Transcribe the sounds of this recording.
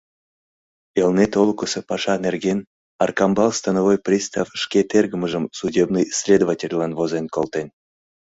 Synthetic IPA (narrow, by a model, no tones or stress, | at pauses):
elnet̪olˠkosepɑʃɑnerɡen | ɑrkɑmbɑlˠst̪ɑnovojprʲist̪ɑfʃkʲet̪erɡəməʒəmsudʲebnɨjsʲlʲed̪ovatʲelʲlɑnvozenkolˠt̪en